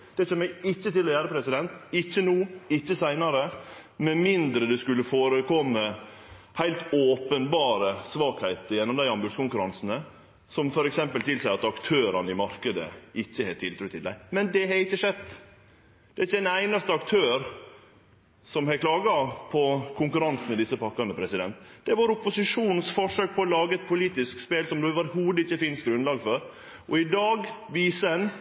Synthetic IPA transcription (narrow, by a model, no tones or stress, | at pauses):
d̪̥ɛɪəmɛɪɪçːət̪ɪlɔjæːɾəpʰɾɛsɪd̪ɛnt̪ɪçːənuːɪçːəsæɪnɑɾə | mɛnmɪnd̪ɾəd̪ɛskʉlːəfoːɾəkʰɔmːə | hæɪlt̪oːpənbɑːɾəsʋɑːkhæɪt̪əɾjɛnːɔmd̪æɪɑmbʉd̪skʊŋkʉɾɑnsn̩ə | sɔmfɔɾɛksɛmpəlt̪ʰɪlsæɪɑt̪ɑkt̪ʰøːɾɑnəɪmɑɾkəd̪ə̰ʔɪçːəhɛt̪ʰɪlt̪ɾʉt̪ʰːɪlæ̰ɪmɛnd̪ɛɦɑɾɪçːəʂɛd̪ | d̪̥ɛæɾɪçːəɛnæɪnɑst̪əɑkt̪ʰøːɾ | sɔmhɛkʰlɑːɡɑpʰɔkʰʊŋkʉɾɑnsn̩mɛd̪ɪsːəpɑkːɑnd̪əpʰɾɛsɪd̪ɛnt̪d̪̥ɛʋɑɾʊpːʊsɪʂuːnn̩sfɔʂøːk̚pʰɔɔlɑːɡəɛt̪̚pʰʊliːt̪ɪskspeːlsɔmd̪ʉɑʋɑɾhuːd̪əɪçːəfɪnst̪̚ɡɾʉnlɑːɡfɔɾ | ʔɔɪd̪ɑːɡʋiːsəɛn